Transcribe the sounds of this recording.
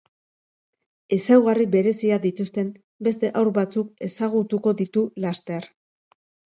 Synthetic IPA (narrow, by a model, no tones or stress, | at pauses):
e̞sawɣaribe̞ɾe̞siaðit̪ust̪e̞m | be̞st̪e̞ʔawɾβat͡suke̞saɣ̞ut̪uko̞ðit̪ulast̪e̞ɾ